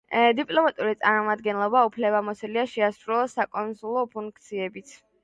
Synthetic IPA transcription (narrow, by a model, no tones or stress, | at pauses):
d̪ipʼlˠɔmat̪ʼuɾit̪sʼaɾmɔmad̪ɡɛnlˠɔbaupʰlɛbamɔsɛliaʃɛasɾulˠɔsakʼɔnsulˠɔpʰuŋkʰt̪sʰiɛbit̪ʰ